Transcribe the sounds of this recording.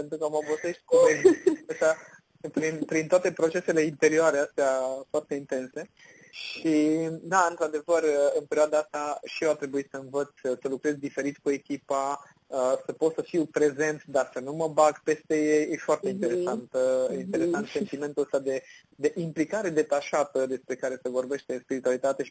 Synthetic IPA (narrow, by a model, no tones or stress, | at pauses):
pent̪ɾukəməovoseʃt̪̚kuenəʃa | pɾinpɾint̪oat̪epɾo̞t͡ʃe̞se̞le̞int̪e̞ɾioaɾe̞ast̪eafoart̪e̞int̪e̞nse̞ | ʃid̪aɨnt̪ɾad̪e̞vərɨnpeɾʲioad̪aast̪aʃieat̪ɾe̞buisəɨnvət̪sʲsəlukɾe̞zd̪ife̞ɾit̪kue̞kʲipa | əsəpo̞t̪səfiwpɾe̞ze̞nt̪d̪asənuməbaɡpe̞st̪e̞jejefoart̪e̞int̪e̞ɾe̞sant̪int̪e̞ɾe̞sant̪se̞nt̪ime̞nt̪ulsad̪e̞ | d̪e̞ʔimplikaɾe̞d̪e̞t̪aʃat̪əd̪e̞spɾe̞kaɾe̞sevo̞rbe̞ʃt̪espiɾit̪ualit̪at̪e̞ʃi